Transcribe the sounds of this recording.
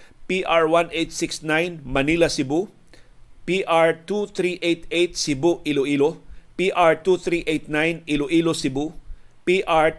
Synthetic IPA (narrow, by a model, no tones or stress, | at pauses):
piʔaɹwanʔejt̪̚sɪksnajnmɐnilɐsɪbu | piʔaɹt̪uθɾiʔejt̪ejt̪̚sɪbuʔiloʔilopiʔaɹt̪uθɾiʔejt̪̚najniloʔilosɪbupiʔaɹ